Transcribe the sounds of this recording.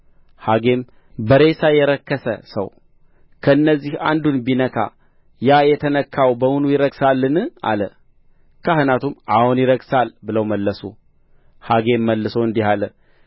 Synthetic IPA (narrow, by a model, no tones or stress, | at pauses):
haɡe̞m | bəɾe̞sajɛɾəkːəsə̰sə̰w | kʰəɨnːəzːiha̰nd̪unbinəkʰa̰ | jajɛt̪ʰənəkʰːawbəmunujɪɾəɡsalːɨnɨʔa̰lə̰ | kʰahɨnat̪ʰumʔahunjɪɾəɡsalbɨləwməlːəsṵ | haɡe̞mːəlːɨsowɨnd̪ihalə